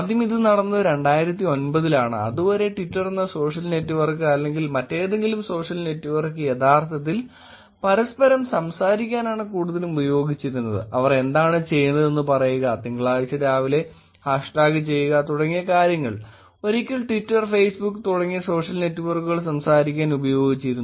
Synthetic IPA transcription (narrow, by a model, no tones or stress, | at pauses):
ɐd̪jɐmiðɨnɐɽɐnːɨðɾe̞ɳɖaːjiɾɐt̪ːio̞nbɐðilaːɳɨ̰ɐ̰ðuboɐɾe̞ʈitːɐrenːɐso̞ːʂɐlne̞tːuʋɐrkɨɐlːe̞ŋɡilmɐtːeːðe̞ŋɡilumso̞ːʂɐlne̞tːuʋɐrkːɨje̞ðaːrt̪ʰɐt̪̬ːil | pɐɾɐspɐɾɐmsɐmsaːɾikʲːaːnaːɳɨkuːɽuðɐlumubɐjo̞ːɡit͡ɕːiɾunːɐðɨ̰ʔɐʋɐre̞nd̪aːɳɨt͡ɕe̞jːunːɐðe̞nːɨpɐrɐjuɣɐt̪iŋɡɐɭaːʋisɐðaːʋile̞ | haːʂʈaːɣit͡ɕe̞jːuɣɐt̪uɽɐŋːijɐkaːɾjɐŋːɐɭ | o̞ɾikʲːɐɭʈʋitːɐrfe̞jsbukːɨt̪uɽɐŋːijɐso̞ːʂɐlne̞tːuʋɐrkuɣɐɭsɐmsaːɾikʲːaːnubɐjo̞ːɡit͡ɕːiɾunː